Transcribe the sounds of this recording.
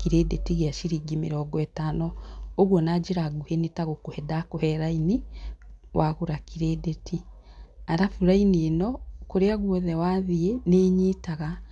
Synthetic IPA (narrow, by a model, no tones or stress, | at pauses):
kiɾeːdetiɣeaʃiɾiːɡimḛɾɔːɡɔɛtanɔoɣwɔnad͡ʒeɾaɡuhenetaɣokohɛdakohɛɾaini | wʔaɣoɾakiɾedetʰiaɾafuɾaineenɔkoɾeaɣwɔðɛwaːðieneːɲitaɣa